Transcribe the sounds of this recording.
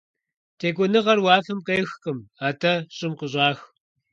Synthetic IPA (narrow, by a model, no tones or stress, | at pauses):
tʰeːkʷʼʊnɨʁɐrwɑːfɐmqeːxqəmaːtʰɐɕʼɪmqəɕ̬ʷʼɑːx